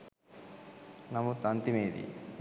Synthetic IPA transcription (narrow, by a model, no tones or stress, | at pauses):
nɐmut̪ɐnt̪imeːd̪ḭ